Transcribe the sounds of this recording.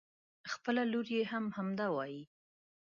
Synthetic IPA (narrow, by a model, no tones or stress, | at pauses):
xpəlaloɾjehamhamd̪ɑwɑji